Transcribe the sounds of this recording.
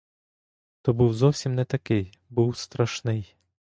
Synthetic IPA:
t̪ɔbuwzɔwsʲimnɛt̪ɐkɪj | buwst̪ɾɐʃnɪj

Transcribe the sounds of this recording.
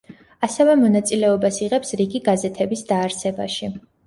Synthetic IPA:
asɛvɛmɔnat̪sʼilɛɔbasiʁɛpsɾiɡiɡazɛt̪ʰɛbisd̪aːɾsɛba̰ʃi

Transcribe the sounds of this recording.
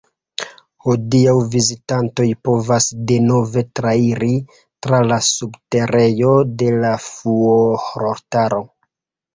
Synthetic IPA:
hodiawvizitanto̞jpo̞vasde̞no̞ve̞tɾaiɾi | tɾalasubte̞ɾe̞jo̞de̞lafuohɾoɾtaɾo̞

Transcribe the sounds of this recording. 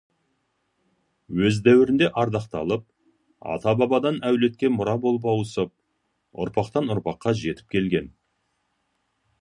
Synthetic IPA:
wɵzd̪æwɪɾɪnd̪e̞ʔɑɾd̪ɑqt̪ɑ̰lˠəp̚ | ɑ̰t̪ɑbɑbɑd̪ɑnæwle̞t̪̚kʲe̞mʊɾɑbo̞lˠpɑwəsəp̚ | ʊ̰ɾpɑqt̪ɑnʊɾpɑqːɑʒe̞t̪ɪ̥p̚kʲʰe̞lɡʲe̞n

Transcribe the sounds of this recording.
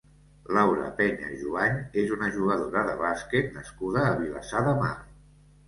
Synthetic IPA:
lawɾə̰pɛɲə̰ʒuaɲezunəʒuɣəðoɾəðə̰βasket̪nəskuðəːβila̰saðəma̰r

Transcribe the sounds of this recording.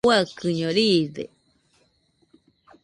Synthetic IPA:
wakɨɲõɾidḛ

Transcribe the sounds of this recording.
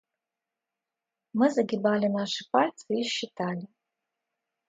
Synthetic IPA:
mɨzaɡʲɪbalʲenaʂɨpʰartʰiʃitʰalʲi

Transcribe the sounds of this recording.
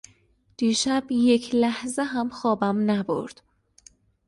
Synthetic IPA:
d̪̥iːʃæbje̞cʰlæhzeɦæmxɒːbæmnæbo̰ɾd̪̥

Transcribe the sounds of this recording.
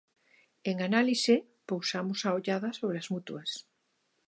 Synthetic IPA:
eŋanalise | powsamosaoʎaðɐsoβɾeazmut̪uɐs

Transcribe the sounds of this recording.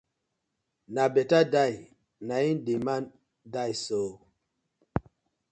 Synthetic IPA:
nabɛtadaj | naindiman | dajso

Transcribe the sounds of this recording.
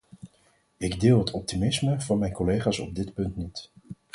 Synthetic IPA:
ɪɡdɪːlˠɦətʰɔp̚timɪsməvɑnmɛjnkɔlejχaːsɔ̰b̚dɪtpɵntnit

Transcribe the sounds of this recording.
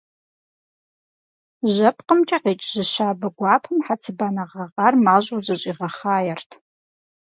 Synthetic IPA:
ʑʒɐpʰqəmt͡ʃʼɐqeːt͡ʃʼzɨʃaːbɐɡʷɑːpʰɨmħat͡sʰɨbaːnɐʁɐʁarmaːʑʼuwzɐɕʼiːʁɐχaːjɛrtʰ

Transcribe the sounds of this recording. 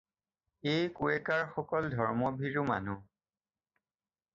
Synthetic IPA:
ejkuɛkaɹxɔkɔldʱɔɹmɔbʱiɹʊma̰nu

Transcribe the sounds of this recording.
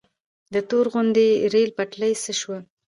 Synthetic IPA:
d̪ət̪oɾɣʊnd̪eɾelpaʈləjsəʃwə

